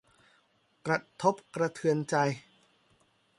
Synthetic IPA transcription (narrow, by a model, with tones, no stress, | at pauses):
kɾa˧˩t̪ʰo˦˥p̚kɾa˧t̪ʰɯ˧ənt͡ɕa˧j